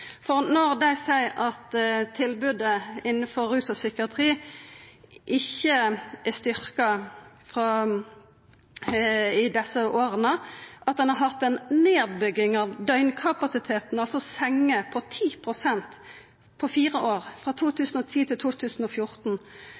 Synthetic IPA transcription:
fɔʁnɔʁd̪æɪsæɪɑt̪t̪ʰɪlbʉd̪əɪnːənfɔʁːʉːsɔsʏkəɑt̪ʰʁiː | ʔɪçːəæst̪ʏʁkɑ | fʁɑ | ɪd̪ɛsəʔoːʁənəʔɑt̪̚d̪ɛnhɑʁɦɑt̪ːɛnneːʁbʏɡɪŋɑʋd̪œʏnkʰɑpɑsɪt̪ʰeːt̪n̩ɑlsɔsɛŋːəpʰɔt̪ʰiːpʰʁʊsɛnt̪ | pʰɔfiːʁəʔoːʁfʁɑt̪ʰuːt̪ʰʉːsn̩ɔt̪ʰiːt̪ʰɪlt̪ʰuːt̪ʰʉːsn̩ɔfjʊʁt̪n̩

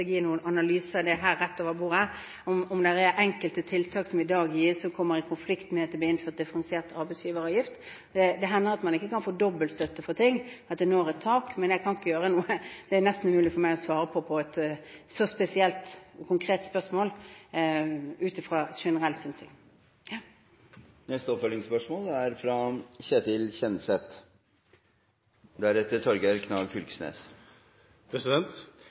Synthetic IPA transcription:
jiːnuːənɑnɑlyːsəd̪ɛɦæːɾːɛt̪ːɔːʋɑbuːɾæ | ɔmɔmd̪ɛɾæɾʔɛŋkəlt̪ət̪ʰɪlt̪ʰɑːksɔmɪd̪ɑːɡjiːsɔkʰɔmːəɾɪkʰʊnflɪkt̪mɛt̪ʰɪlb̪iːɪnføːt̪̚d̪ɪfəɾɛnsɪeːʁt̪ʰɑɾbɛɪsjiːʋəɾɑːʋjɪft̪ | d̪ɛd̪ɛɦɛnːəɾɑt̪mɑnɪkːəkɑnfoːd̪ɔbːəlt̪st̪œt̪ːəfɔɾt̪ʰɪŋːɑt̪̚d̪ɛnoːæɾɛt̪ʰːɑːkmɛnjæɡkʰɑnɪkːəjøːɾənuːəd̪̥ɛænɛst̪n̩ʉmʉːlɪfɔmæɪɔsʋɑːɾəpʰɔpʰɔɛt̪sɔspɛsɪɛlt̪kʰʊŋkʰɾeːt̪spœʂmoːl | ʉːt̪ɪfɾɑʂɛnəɾɛlsʏnsɪ̰ŋ | nɛst̪əɔpfœlɪŋspœʂmoːlæɾfɾɑçɛt̪ɪlçɛnsɛt̪ | d̪æɾɛt̪ːəʈʰɔɾɡəɾkʰnɑlfʉlksnḛːs | pʰɾɛsɪd̪ɛnt̪

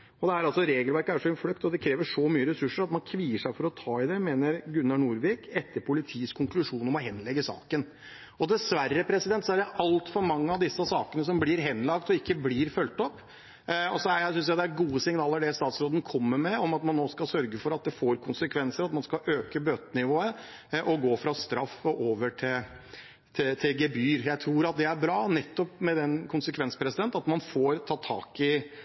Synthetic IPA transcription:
ɔd̪ɛæɾɑlsɔɾeːɡəlʋæɾkəæʂɔɪnflœkt̪ɔd̪ɛkʰɾeːʋəʂɔmyːəɾɛsʉʂːəɾɑt̪mɑnkʰʋiːəʂæɪfɔɾɔt̪ʰɑːɪd̪ɛmeːnəɾɡʉnːɑɳuːɾʋɪkʰɛt̪ʰːəɾpʰʊlɪt̪ʰiːəskʰʊŋklʉʂuːnɔmɔɦɛnːlɛɡːəsɑ̰ːkən | ɔd̪ɛsʋærːəpʰɾɛsɪd̪ɛnt̪sɔæɖɛʔɑlt̪fɔɾmɑŋːəɑʋd̪ɪsːəsɑːkənəs̬ɔmblɪɾɦɛnːlɑkt̪ɔɪkːəblɪːɾfœlt̪ɔpː | ɔsɔæjæɪsʏnsjæd̪ɛæɡuːəsɪŋnɑːləɖɛst̪ɑːt̪sɾoːd̪n̩kʰɔmːəɾmɛɔmɑt̪mɑnːoːskɑlsœɾɡəfɔɾɑt̪̚d̪ɛfoːɾkʰʊnsəkʰʋɛnsəɾɑt̪mɑnskɑʔøːkəbøːt̪ənɪʋoːə | ʔɔɡoːfɾɑst̪ɾɑfɔʔoːʋəʈʰɪl | t̪ʰɪt̪ʰɪlɡɛbyːɾjæɪt̪ʰɾuːɾɑt̪̚d̪ɛæɾbɾɑːnɛt̪ːɔpmɛd̪ɛnkʰʊnsəkʰʋɛnspʰɾɛsɪd̪ɛnt̪ɑt̪mɑnfoːɾt̪ʰɑːt̪ʰɑ̰ːkɪ

